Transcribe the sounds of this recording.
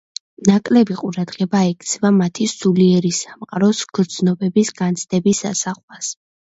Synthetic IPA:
nakʼlɛbiqʼuɾad̪ʁɛbaɛkʰt̪sʰɛvamat̪ʰisuliɛɾisamqʼaɾɔsɡ̥ɾd̪znɔbɛbisɡant̪sʰd̪ɛbisa̰saχlas

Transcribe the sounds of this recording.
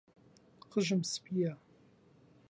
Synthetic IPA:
qəʒɨmspʰʼija

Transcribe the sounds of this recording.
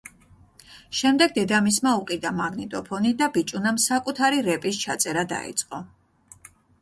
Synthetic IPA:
ʃɛmd̪ɛɡ̚d̪ɛd̪amismauqʼid̪amaɡnit̪ʼɔpʰɔnid̪abit͡ʃʼunamsakʼut̪ʰaɾiɾɛpʼist͡ʃʰat̪sʼɛɾad̪a̰ḭt̪sʼqʼɔ

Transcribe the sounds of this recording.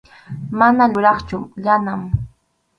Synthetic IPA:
manaʎʊɾɑχt͡ʃʊʎanam

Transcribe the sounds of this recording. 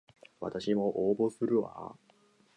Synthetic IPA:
βa̰t̪aɕimo̞ʔoːbo̞sɨɾɯ̟a̰

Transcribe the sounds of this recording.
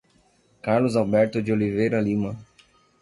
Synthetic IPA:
kaɾlʊzawbɛɾt̪ʊd͡ʒɪolivejɾɐlimɐ

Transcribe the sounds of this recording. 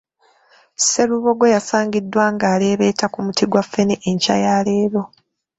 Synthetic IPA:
se̞ɾuβo̞ɡwejasaːɲɡidːwaːŋɡaːle̞ːβe̞ːtakumutiɡwafːeneʔeɲca̰jaːleːɾo̞

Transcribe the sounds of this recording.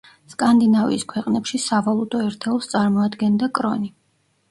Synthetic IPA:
skʼand̪inavḭiskʰwɛqʼnɛpʃisavalˠut̪ʼɔɛɾt̪ʰɛlˠst̪sʼaɾmɔad̪ɡɛnd̪akʼɾɔni

